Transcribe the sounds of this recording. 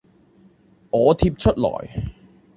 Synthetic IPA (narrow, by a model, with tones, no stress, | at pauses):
ŋɔː˨˧t̪ʰiː˧p̚t͡ʃʰɵ˥t̚lɔ̰ː˨˩j